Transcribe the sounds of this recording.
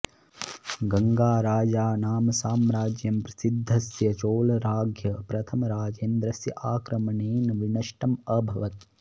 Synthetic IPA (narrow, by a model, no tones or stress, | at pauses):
ɡɐŋɡaːɾaːd͡ʒaːnaːmɐsaːmɾaːd͡ʒjɐmpɾɐsid̪ʱːɐsjɐt͡ʃoːlɐɾaːɡʱjɐpɾɐt̪ʰɐmɐɾaːd͡ʒeːnd̪ɾɐsjɐ̰ʔaːkɾɐmɐɳeːnʋinɐʂʈɐmɐbʱɐʋɐt̪̚